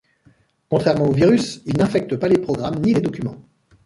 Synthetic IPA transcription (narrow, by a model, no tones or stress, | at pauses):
kɔ̃t̪χɛʁmɑ̃oviʁysilnɛ̃fɛk̚t̪əpalepχɔɡʁamniled̪ɔkʲymɑ̃